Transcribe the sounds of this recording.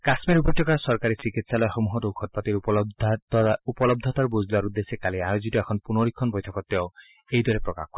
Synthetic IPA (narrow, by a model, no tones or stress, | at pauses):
kasmeɾupɔtɔkasɔɹkaɹisikitsalɔjxomuɦɔtoukʰɔt̚pat̪iɹ | upɔlɔb̚d̪ʱɔt̪aɹbozʱduaɾud̪esekaliaɹozitɔɛkʰɔnpunoɹikʰːɔnbɔjtʰɔkɔtːɛɔoʊ | ejd̪ɔɹepɹɔka̰xkɔ